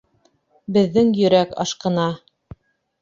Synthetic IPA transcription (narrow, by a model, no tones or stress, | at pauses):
bɘ̆ðːɘŋjɵ̆ɾækɑ̰ʃqɤ̆nɑ